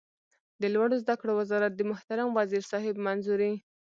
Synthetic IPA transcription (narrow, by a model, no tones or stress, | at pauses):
d̪əlwaɽozd̪akɽowɪzɑɾat̪̚d̪əmʊht̪aɾamwaziɾsɑhɪbmanzuɾi